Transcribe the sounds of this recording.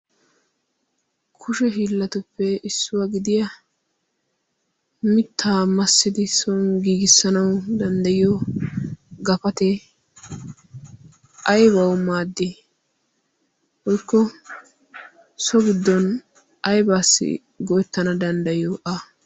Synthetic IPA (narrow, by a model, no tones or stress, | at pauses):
kʰʊʃɛɦiːlːɐt̪ʊpːɛɪsːʊwɐɡɪd̪ɪjɐ | mɪt̪ʰːaːmɐsːɪd̪ɪsɔnɡiːɡɪsːɐnɐwd̪ɐnd̪ɐjɪjɔ | ɡɐpɐt̪ɛ | ʔɐjbɐwmaːd̪ːɪ | hɔjkːɔ | sɔɡɪd̪ːɔn | ʔɐjbaːsːɪ̰ | ɡɔjɛt̪ːɐnɐd̪ɐnd̪ɐjɪjɔʔa